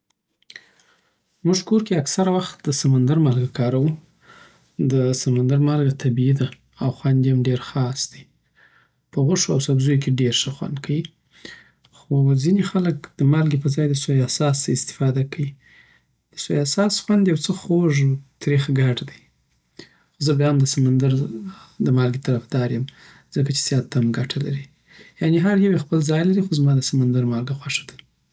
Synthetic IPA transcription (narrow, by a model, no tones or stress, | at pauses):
muʐkoɾkeaksaɾawaxt̪̚d̪əsamand̪aɾmalɡakʰɑɾawu | d̪əsamand̪aɾmalɡat̪ʰabiid̪a | awxwand̪eamɖeɾxɑsd̪̥i | pəɣəʂoawsabzujok̬eɖeɾʂəxwa̰nd̪kʰawi | xozinexalək̚d̪̥əmalɡepəzɑjd̪əsojasɑsaɪst̪ɪ̥fɑd̪akʰawi | d̪̥əsojasɑsxwand̪jawt͡səxoʐt̪ɾixɡaʈd̪aj | xozəbjɑmd̪əsamand̪aɾd̪əmɑlɡet̪aɾafd̪ɑɾjəm | z̥əkat͡ʃe̥z̥jɑt̪ːamɡaʈʰalaɾi | janeɦaɾjawexpəlzɑjlaɾixozmɑd̪əsamand̪aɾmɑlɡaxwaʂad̪a